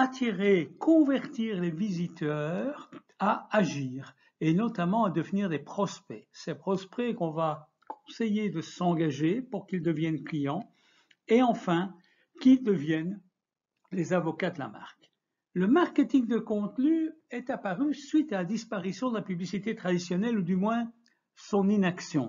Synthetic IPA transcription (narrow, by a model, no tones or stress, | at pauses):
at̪ʰiʁekʰɔ̃vɛʁt̪iʁlevizit̪œʁ | aːʒiːʁ | enɔt̪amɑ̃ad̪əvniʁd̪epχɔspɛsɛpχɔspekɔ̃va | kʰɔ̥̃sejed̪əsɑ̃ɡaʒepuʁkʲild̪əvjɛnklijɑ̃ | eɑ̃fɛ̃ | kʲid̪əvjɛn | lezavɔkad̪əla̰ma̰ʁk | ləmaʁket̪iŋd̪əkɔ̃t̪nyɛt̪apaʁysɥit̪alad̪ispaʁisjɔ̃d̪əlapyblisit̪et̪χad̪isjɔnɛlud̪ymwɛ̃ | sɔ̃ninaksjɔ̃